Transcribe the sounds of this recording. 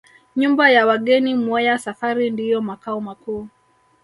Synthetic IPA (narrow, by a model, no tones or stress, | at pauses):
ɲumbajawaɠɛnimɔjasafaɾindijɔmakaɔmakuː